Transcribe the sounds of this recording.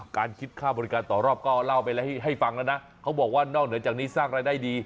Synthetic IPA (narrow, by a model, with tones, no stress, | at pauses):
kaː˧nkʰi˦˥t̪̚kʰaː˥˩bɔː˧ɾi˦kaː˧nt̪ɔː˨˩ɾɔː˥˩p̚kɔː˥˩la˥˩wpa˧jlɛ˦˥ha˥˩ɦa˥˩jfa˧ŋlɛ˦˥˩wna˦˥ | kʰa˦˥wbɔː˨˩k̚waː˥˩nɔː˥˩k̚nɯ˩˦ət͡ɕaː˨˩kniː˦˥saː˥˩ŋɾaː˧jdaː˥˩jdiː˧